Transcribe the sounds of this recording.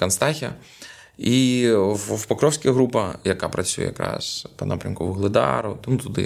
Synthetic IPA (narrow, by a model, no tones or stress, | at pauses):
kɐnst̪ɑxʲɐ̰ | iwwpɐkɾɔwsʲkɐɦɾupɐjɐkapɾɐt͡sʲujɛ̰jɐ̰kɾɑ̰spɐnʔa̰pɾʲɐmkɔʋʊɦlˠɪd̪ɑɾʊt̪mut̪ʊd̪ɪ̰